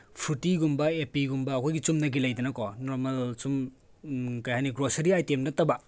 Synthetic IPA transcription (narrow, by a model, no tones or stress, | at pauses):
pʰutiɡumbɐepiɡumbɐːkʰojɡit͡ʃumnɐɡilɐjdɐnɐkɔnɔɾmɐlt͡ʃum | kɐjhaniɡɾosɐɾiajtemnɐtːɐbɐ